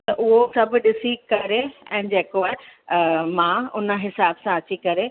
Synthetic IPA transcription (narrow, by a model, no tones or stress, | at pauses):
t̪ɐʔʊɦosɐbʱɗɪsikɐɾeɛ̰̃ːd͡ʑeːkoa | mãʊnə̆ɦɪsaːbsãɐt͡ɕikɐɾe